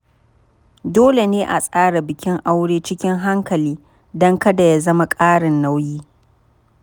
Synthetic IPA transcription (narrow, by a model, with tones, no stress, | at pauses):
doː˦le˨neː˦ʔa˨sʼaː˦ɽa˨bɪ˨kʲɪ˦ŋʔa˦wɽeː˦t͡ʃɪ˦kʲɪ˦ŋɦa˦ŋkɐ˨liː˦ | dɔ˦ŋkɐ˦da˨ja˦zɐ˦ma˦kʼaː˦ɽɪ˨nːa˦wjiː˦